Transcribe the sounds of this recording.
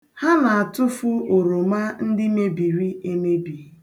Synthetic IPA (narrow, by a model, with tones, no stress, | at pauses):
ha˦na˨a˨tʊ˦fʊ˦o˨ɾo˨ma˦n̩˦dɪ˦me˦bi˨ɾi˦e˦me˦bi˨˦